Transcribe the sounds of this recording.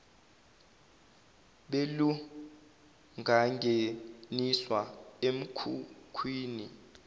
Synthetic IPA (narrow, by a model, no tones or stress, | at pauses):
ɓelu | ŋʱaŋʱeniswaem̩kʰukʰwiːni